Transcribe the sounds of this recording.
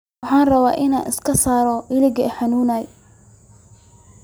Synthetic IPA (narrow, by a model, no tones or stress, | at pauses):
ɑħɑːnrɐβa̰ːʔɪna̰ːnɪ̰skʰɐsaːɾɔʔɪlɪɡɐħɑnuːnaːj